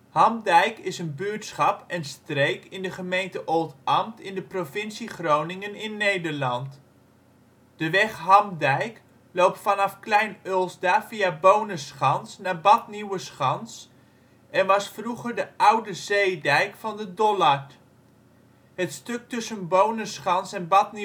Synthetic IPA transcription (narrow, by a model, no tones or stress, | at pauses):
hɑmdɛjkɪsənbyːɹtsχɑpɛnstrejkɪndəχəmejntəʔolˠtɑmtɪndəprovɪnsiχrownɪŋənɪnːejdəɹlɑnt | d̥əʋɛχɦɑmdɛjk | lowp̚tfɑnɑfklɛjnølˠzdaːfiabownəsχɑnsnaːɹbɑtniwəsχɑns | ɛnʋɑsfruχəɹdəʔʌwdəzejdɛjkfɑndədɔlɑɹt | ɦətstɵk̚tɵsənbownəsχɑnsɛnbɑtni